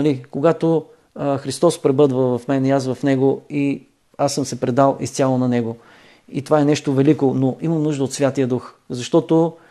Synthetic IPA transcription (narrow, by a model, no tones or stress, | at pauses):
ɐlikoɡat̪o | xɾist̪ɔspɾɛbɤd̪vəvɐfmɛniasvɐfnɛɡoi | asːɤmsɛpɾɛd̪alˠist̪ʲalˠonɐnɛɡo | it̪ovaɛnɛʃt̪ovɛlikonoʔimɐmnuʒd̪əot̪svʲjat̪ijəd̪uxzɐʃt̪ɔt̪o